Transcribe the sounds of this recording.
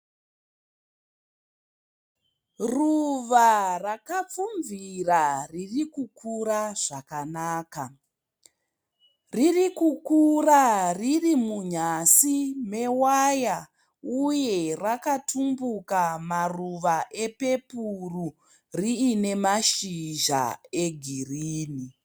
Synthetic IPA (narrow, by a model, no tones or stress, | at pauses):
ruʋarakap͡fuɱviraririkukʰuɾaʐ̥akanaːka | ririkukuraririmuɲasime̞waja | uje̞rakatʰumbukamaruʋaʔe̞pe̞puru | riːne̞maʃiʒa̰e̞ɡʱiriːni